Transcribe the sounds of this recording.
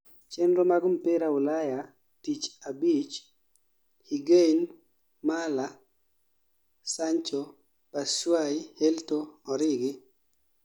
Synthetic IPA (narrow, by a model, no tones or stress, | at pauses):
t͡ʃɛndɾomaɡʊmpɪɾaʊlaja | tit͡ʃabit͡ʃ | hiɡejn | mala | saɲt͡ʃo | paʃwajheltoɔɾɪɡɪ